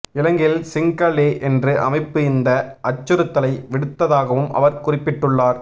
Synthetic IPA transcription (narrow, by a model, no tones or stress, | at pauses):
ɪlɐŋɡɪlsɪŋkɐɭeːʔɛndrɯʔɐ̰mɐɪpːɯɪnd̪ɐʔɐt͡ʃːɯɾɯt̪ːɐlɐɪʋɪɽɯt̪ːɐðaːɣɐʋɯmɐ̰ʋɐɾkʊrɪpːɪʈːɯɭːaːɾ